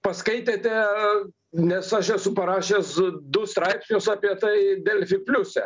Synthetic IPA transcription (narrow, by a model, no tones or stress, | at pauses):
pɐskɐɪt̪ʲeːt̪ʲɛ | nʲɛsɐʃɛsʊpɐɾɑːʃʲeːsd̪ʊst̪ɾɐɪpʲsʲnʲʊsɑːpʲiɛt̪ɐɪd̪ʲɛlʲfʲɪk̚pʲlʲʊsʲɛ